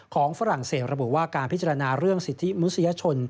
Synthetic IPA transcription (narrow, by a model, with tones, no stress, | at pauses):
kʰɔː˩˦ŋfa˦˥ɾa˨˩ŋseː˨˩t̪̚ɾa˧bu˨˩waː˥˩kaː˧npʰi˦˥tt͡ɕa˧a˧naː˧ɾɯ˥˩əŋsi˨˩t̪ʰːi˦˥mu˦˥sa˧ja˧˥t͡ɕʰo˧n